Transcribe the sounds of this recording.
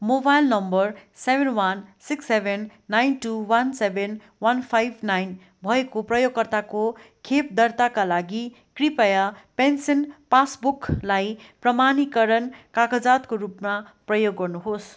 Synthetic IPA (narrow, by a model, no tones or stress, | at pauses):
mobajlnʌmbʌrsebʱenwʌnsiksebʱenːajnʈuwʌnsebʱen | wʌnpʰajbnajn | bʱʌekoprʌjoɡkʌrt̪ako | kʰep̚d̪ʌrt̪akalaɡi | kripʌjapensenpasbuklajprʌmanikʌɾʌnkakad͡zat̪koɾupmaprʌjoɡːʌrnuɦos